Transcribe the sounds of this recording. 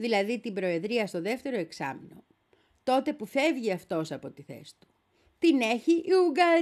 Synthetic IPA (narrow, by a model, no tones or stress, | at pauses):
ðilɐðit̪imbɾo̞e̞ðɾiɐst̪o̞ðe̞ft̪e̞ɾo̞e̞ksɐ̰mino̞ | t̪o̞t̪e̞pufe̞vʝiɐft̪o̞sɐpo̞t̪iθe̞̰st̪u̥ | t̪ine̞çiʔiuɡɐ